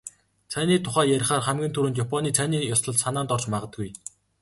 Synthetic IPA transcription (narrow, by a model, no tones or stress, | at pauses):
t͡sʰæniːt̪ʰʊχæːjæɾ̆ʲχaːrχæmɡʲiːnt̪ʰuɾɘ̆nt̪japʰɔniːt͡sʰæniːjɔsɮɞ̆ɮsanaːnt̪ɔrt͡ɕmaʁə̆t̪̚ɡuj